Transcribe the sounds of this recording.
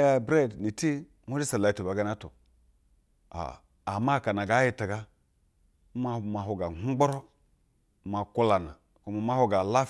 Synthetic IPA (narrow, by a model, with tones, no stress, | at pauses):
ja˦˨bɾe˦˨dni˨ti˦ | m˦u˦d͡ʒi˦sa˨la˨i˨tu˨ba˨˦ɡa˦na˦tṵ˨ | a̰˨ | a˨ma˦˨ka˨na˨ɡa˨˦ji˦ta˨ɡa˦ | ma˦ma˨ɦu˨ɡa˨ŋu˦ɡ͡bo˦ɾo˦ | ma˨ku˦la˨na˨ | ku˨˦ma˨ma˦ho˦ɡa˨la˦